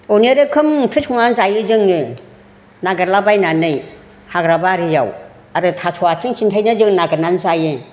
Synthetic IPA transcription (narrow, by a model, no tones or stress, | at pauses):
oniɾɯkʰɯmtʰɯsɔŋnanzajɯzɯŋɯ | naɡɯɾlabajnanɯj | haɡɾabaɾɯja̰w | aɾɯtʰasʰɔatʰiŋsʰintʰajnazɯŋnaɡɯnanzajɯ